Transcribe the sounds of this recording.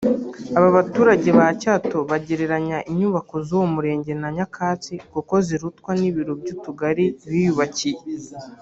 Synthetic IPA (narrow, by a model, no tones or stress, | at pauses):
aβaβatuːɾaɟe̞βacaːto̞βaɟe̞ɾe̞ɾaɲaʔiɲuːβako̞zowomuɾe̞ːɲɟe̞naɲakʰaːt͡sikoko̞ziɾutkwaniβiɾobɟuːtuɡaɾiβijuβacije